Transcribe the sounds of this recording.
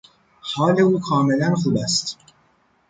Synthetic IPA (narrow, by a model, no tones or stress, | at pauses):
hɒːle̞uːkʰɒːme̞lænxuːbæst̪